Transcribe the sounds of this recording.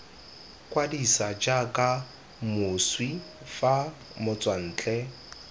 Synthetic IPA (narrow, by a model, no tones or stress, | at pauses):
kʼwadisad͡ʒakʼa | mʊswi | fa | mʊt͡sʼwan̩ːt͡ɬʼɛ